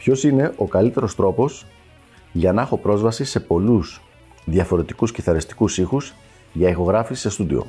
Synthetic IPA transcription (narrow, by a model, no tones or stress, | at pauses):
pço̞sine̞ʔo̞kɐlit̪e̞ɾo̞st̪ɾo̞po̞s | ʝɐnɐexo̞pɾo̞zvɐsise̞po̞lus | ðjɐfo̞ɾe̞t̪i̥kusciθɐɾist̪i̥kusixuz | ʝɐixo̞ɣɾɐfisːe̞st̪ud̪ḭo̞̰